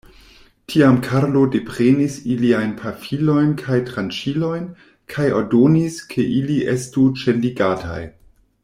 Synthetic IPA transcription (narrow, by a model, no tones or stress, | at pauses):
tʰiamkʰaɾlode̞pɾenisiliajnpʰafilo̞jnkʰajtɾant͡ʃilo̞jn | kʰajo̰ɾdoniskʰe̞ʔiliʔestut͡ʃenliɡatʰa̰j